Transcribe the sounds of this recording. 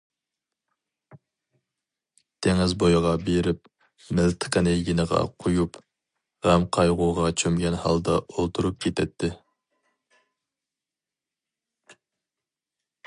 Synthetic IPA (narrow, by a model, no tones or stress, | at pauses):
t̪ʰeŋɪzbojʁɑbeɾɪp̚ | mɪlt̪ʰə̥qənejɡʲinəʁɑ̰qʰojup | ʁɛmqʰɑjʁuʁɑt͡ʃʰømɡʲɛnhɑ̰lˠd̪ɑ̰olˠt̪ʰuɾup̚kʲʰet̪ʰɛt̪ʰːɪ